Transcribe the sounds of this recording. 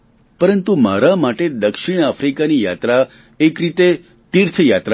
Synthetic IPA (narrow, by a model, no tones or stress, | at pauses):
pəɾənt̪umaɾamaʈed̪əkʃiɽ̃afɾikanijat̪ɾa | ekɾit̪e | t̪iɾt̪ʰjat̪ɾa